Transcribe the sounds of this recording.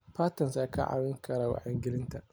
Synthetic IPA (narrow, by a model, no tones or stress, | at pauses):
pʰaːt̪ɐnsakʰɐ̰ʕa̰ːwɪŋkʰɐɾaːwa̰ʕɛŋɡɪlɪnt̪ʰɐ